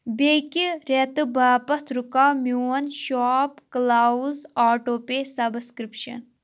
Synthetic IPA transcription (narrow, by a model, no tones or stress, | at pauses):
bekiɾet̪ɨbaːpɐt̪ʰɾukaːmjuːɐnʃaːpklazaːʈoːpesɐbskɾipʃɐ̰n